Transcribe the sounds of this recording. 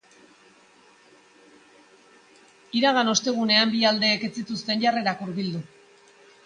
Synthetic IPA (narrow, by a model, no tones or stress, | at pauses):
iɾaɣano̞st̪e̞ɣ̞une̞ambiald̪e̞ːke̞t͡sit̪ust̪e̞nʝare̞ɾakuɾβild̪u